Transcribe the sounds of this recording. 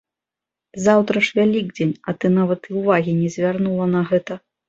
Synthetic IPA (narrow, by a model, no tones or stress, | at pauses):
zawt̪ɾɐʂvʲalʲiɡ̚d͡zʲenʲɐt̪ɨnavɐt̪iwvaɣʲinʲɛzʲvʲarnulˠɐnɐɣɛt̪ɐ